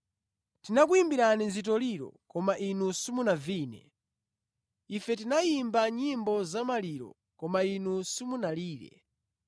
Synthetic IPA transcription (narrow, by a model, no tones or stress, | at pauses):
tinak̬uimbiɾaninzitɔliɾɔ̰kɔmaʔinusumunaviːnɛ̰ | ifɛt̬inaimbaɲimbɔzamaliɾɔ̰ | kɔmainusumunaliːɾɛ̰